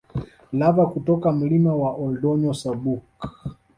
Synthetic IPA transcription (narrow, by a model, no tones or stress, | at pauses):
lavakutɔkam̩limawaʔɔldɔɲɔsabuk